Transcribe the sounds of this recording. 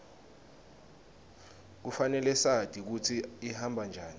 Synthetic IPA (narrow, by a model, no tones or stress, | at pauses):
k̬ufanɛlɛsad̥ʱik̬utʰiihambʱand͡ʒʱaːni